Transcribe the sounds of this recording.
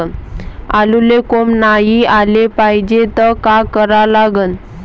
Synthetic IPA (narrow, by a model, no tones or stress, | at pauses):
nalulekomnajialepaɦid͡ʑet̪əkakəɾalaɡən